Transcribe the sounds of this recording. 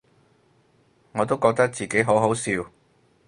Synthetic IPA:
ŋɔː˨˧t̪o˥wkɔː˧k̚t̪ɐ˥k̚t͡siː˨ke˨˥jɦo˨˥wɦo˨˥wsiː˧w

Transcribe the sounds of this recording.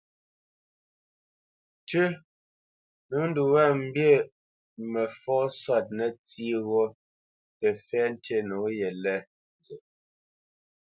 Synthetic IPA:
tʉ˦ | nu˨˦n̩˦du˨wɛ˦˨m̩˦bje˦˨ | mɛ˨fɔː˦swa˦˨t̚nɛ˨t͡si˦ɣo˦ | tɛ˨fɛ˦n̩˦te˦nu˨˦jɛ˨lɛ˦˨ | n˨zə˨

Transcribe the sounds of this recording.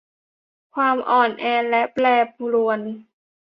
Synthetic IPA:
kʰwaː˧mʔɔː˨˩nʔɛː˧nlɛ˦˥ʔplɛː˧p̚lu˧ən

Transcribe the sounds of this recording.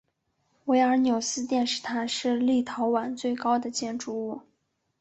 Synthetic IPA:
we˧˥ɪə˞˧˥njo˨˩ʊsɹ̩˥t̪jɛ˥˧nʂɻ̩˥˩t̪ʰa˥nʂɻ̩˥˧li˥˩t̪ʰɑ˧˥ʊwa˨˩nt͡swe˥˩ɪkɑ˥ʊd̪ə˨t͡ɕjɛ˥˩nʈ͡ʂu˥˧u˥˩

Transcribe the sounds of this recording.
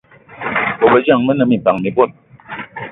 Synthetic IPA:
o˨bə˨d͡ʒa˦˨ŋmə˦nə˨˧˨mi˨pa˨ŋmi˨bo˦˨t̚

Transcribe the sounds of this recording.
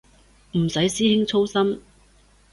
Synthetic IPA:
m̩˨˩sɐ˨˥jsiː˥hɪ˥ŋt͡sʰo˥wsɐ˥m

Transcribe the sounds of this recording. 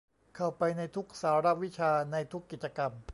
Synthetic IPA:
kʰa˨˩wpa˧jna˧jt̪ʰu˦˥k̚saː˩˦ɾa˦˥wi˦˥t͡ɕʰaː˧na˧jt̪ʰu˦˥kːi˨˩t̪̚t͡ɕa˧ka˧m

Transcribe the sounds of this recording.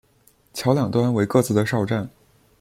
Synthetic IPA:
t͡ɕʰjɑ˧˥ʊljɑ˨˩ŋt̪wa˥nwe˧˥ɪkɤ˥˧t͡sɹ̩˥˩d̪ə˩ʂɑ˥˧ʊʈ͡ʂa˥˩n

